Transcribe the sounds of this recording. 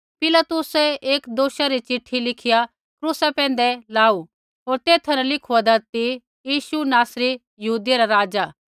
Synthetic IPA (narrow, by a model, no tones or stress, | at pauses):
pɪlat̪ʊsɛeːkd̪oːʃaɾit͡ʃɪʈʰːilɪkʰɪja | kɾuːsapɛ̃ːn̆d̪ɛlaːu | ɦoːɾt̪eːt̪ʰɐnãlɪkʰuad̪ɐɾt̪i | jiːʃunaːsɾi | jɐɦuːd̪jaɾaɾaːd͡ʒaː